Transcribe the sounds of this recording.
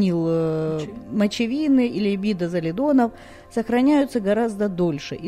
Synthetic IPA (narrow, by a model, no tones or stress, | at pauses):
nʲilˠ | mət͡ɕɪvʲinɨʔilʲɪbʲid̪əzəlʲɪd̪o̞nəf | səxɾɐnʲæjʊt̪səɡɐɾazd̪əd̪o̞lʲʂɨʔi